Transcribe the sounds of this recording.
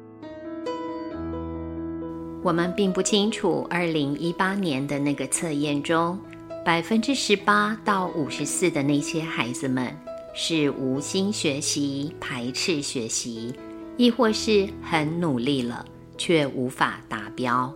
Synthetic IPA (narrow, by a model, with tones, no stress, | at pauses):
wɔ˨˩mə˦npi˥˧ŋpu˥˩t͡ɕʰi˥ŋʈ͡ʂʰu˨˩ʔə˞˥˩li˧˥ŋi˥pa˥njɛ˧˦nd̪ə˨na˥˩ɡə˩t͡sʰɤ˥˧jɛ˥˩nʈ͡ʂʊ˥ŋ | pa˨˩ɪfə˦˥nʈ͡ʂɻ̩˥ʂɻ̩˧˥pa˥t̪ɑ˥˩ʊʔu˨˩ʂɻ̩˧˥sɹ̩˥˩d̪ə˩na˥˩ɪɕjɛ˥xa˧˥ɪd͡zɹ̩˧mə̰˨n | ʂɻ̩˥˩u˧˥ɕi˥nɕɥɛ˧˥ɕi˧˥˦pʰa˧˥ɪʈ͡ʂʰɻ̩˥˩ɕɥɛ˧˥ɕi˧˥˦ | i˥˧xwɔ˥˧ʂɻ̩˥˩xə˧˥nnu˨˩li˥˩lə̰˩ | t͡ɕʰɥɛ˥˩ʔu˧˥fa̰˨˩t̪a˧˥pjɑ˥ʊ